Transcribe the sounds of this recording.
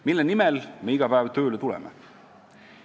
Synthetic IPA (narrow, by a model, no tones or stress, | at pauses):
milːenimelme̞iɡ̥ɑpæːvt̪ø̞ːlet̪ulɛ̰mḛ